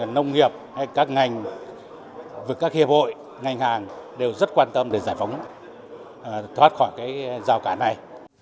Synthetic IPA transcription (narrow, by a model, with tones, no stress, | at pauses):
nə˧wŋ͡mŋi˨˩əp̚ha˧jkaː˦˥k̚ŋa˨˩jŋ̟ | vɨ˨˩əkaː˦˥k̚hi˨əp̚ho̰˧˨j | ŋa˨˩jŋ̟haː˨˩ŋɗe˨˩wzə˦˥t̚kwaː˧nt̪ə˧mɗe˧˩zaː˧˩jfa˨˦wŋ͡m | t̪ʰwa˦˥t̚xɔ˧˩jkaː˨˦jzaː˨˩wkaː˧˩na˨˩j